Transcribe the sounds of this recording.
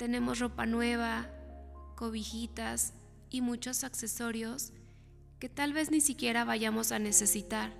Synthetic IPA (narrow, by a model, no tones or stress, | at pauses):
t̪e̞ne̞mo̞sro̞pa̰nwe̞β̞a | ko̞βixit̪as | imut͡ʃo̞sakse̞so̞ɾjo̞s | ke̞t̪alβe̞znisikje̞ɾaβaʝamo̞sane̞se̞sit̪aɾ